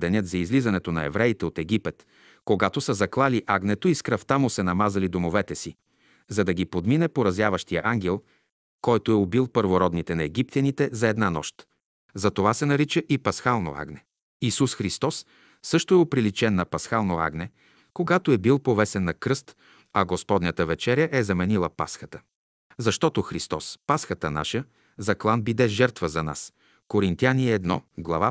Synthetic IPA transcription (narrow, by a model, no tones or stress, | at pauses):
d̪ɛnʲɤt̪zɐizlizɐnɛt̪onɐɛ̰vɾɛit̪ɛot̪ɛɡipɛt̪ | koɡat̪osɐzɐklˠaliʔaɡnɛt̪oiskɾɐft̪amʊsɛnɐmazɐlid̪omovɛt̪ɛsi | zɐd̪ɐɡʲipod̪minɛpoɾɐzjavɐʃt̪ijəʔaŋɡʲɛlˠ | kɔjt̪oɛobilˠpəɾvoɾɔd̪nit̪ɛnɐɛɡip̚t̪ʲjɐnit̪ɛzɐɛd̪nanɔ̰ʃt̪ | zɐt̪ovasɛnɐɾit͡ʃəʔipɐsxalˠno̰a̰ɡnɛ | isusxɾist̪ɔsː | ɤʃt̪oɛopɾilit͡ʃɛnːɐpɐsxalˠnoa̰ɡnɛ | koɡat̪oɛbilˠpovɛsɛnːɐkɾɤst̪ | ɐɡospɔd̪nʲət̪əvɛt͡ʃɛɾjəʔɛzɐmɛnilˠəpa̰sxət̪ə̥ | zɐʃt̪ɔt̪oxɾist̪ɔspasxət̪əna̰ʃə | zɐklˠanbid̪ɛʒɛɾt̪vəzɐna̰s | koɾint̪ianiɛɛd̪nɔ̰ɡlˠɐ̰va